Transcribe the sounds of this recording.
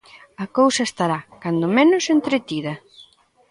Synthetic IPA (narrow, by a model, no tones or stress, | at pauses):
ɐkowsɐest̪aɾakand̪ʊmenʊsent̪ɾet̪iðɐ